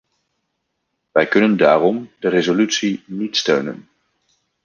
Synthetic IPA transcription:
ʋɛjkɵnənda̰ːrɔmdərezolytsinitstøɥnə̰n

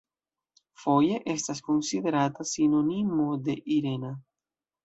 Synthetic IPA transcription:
fojeʔe̞stasko̞nsiðe̞ɾat̪asino̞nimod̪e̞ʔiɾe̞na

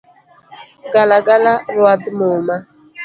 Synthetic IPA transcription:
ɡalaɡalaɾwad̪moma

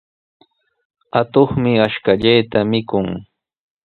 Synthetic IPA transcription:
at̪oχmɪaʃkaʎajt̪amɪkʊŋ

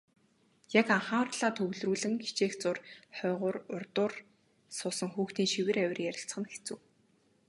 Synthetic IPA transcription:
jakaɴχaːrt̪ɮaːt̪ʰɵwɮruːɮɘ̆ŋxi̥t͡ɕeːxt͡sʊrχœːʁʊːrʊrt̪ʊːr | sʊsə̆ŋxuːxt̪iːnʃiwɘ̆ɾæwʲɪ̆rjæɾʲɪ̆ɬt͡sχə̆nxe̥t͡suː

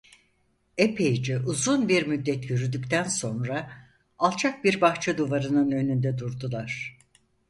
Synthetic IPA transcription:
epʰejd͡ʒiʔuzunbiɾmyd̪ːɛt̪jyɾyd̪yct̪ʰænso̞nɾaː | lˠt͡ʃʰak̚biɾbaxt͡ʃʰad̪uvaɾɯnɯnø̞nynd̪ɛd̪uɾd̪ulˠaɾ̝̥

